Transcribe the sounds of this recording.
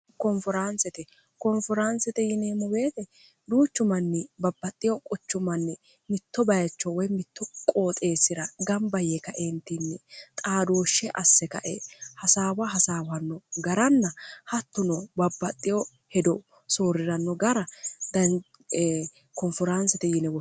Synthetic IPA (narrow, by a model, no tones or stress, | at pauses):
kɔnfɔɾansɛt̪ɛ | kɔnfɔɾɐnsɛt̪ɛjɪneːmɔwe̞ːt̪ɛ | d̪uːt͡ʃːʊmɐnːɪbɐbːɐt̪ʼːɪjɔkʼɔt͡ʃːʊmɐnːɪ | mɪt̪ːɔbɐjɐt͡ʃːɔwɔjmɪt̪ːɔkʼo̞ːt̪ʼe̞ːsɪɾɐɡɐmbɐjekɐʔent̪inːɪt̪ʼaːd̪o̞ːʃːɛʔɐsːɛkɐ̰ʔehɐsaːwɐɦɐsaːwɐnːɔɡɐɾɐnːɐhɐt̪ːʊnɔbɐbːɐt̪ʼːɪjɔ | hɛd̪ɔ | soːɾɪɾɐnːɔɡɐɾɐd̪ɐ | kɔnfɔɾɐnsɛt̪ɛjɪnɛwɔ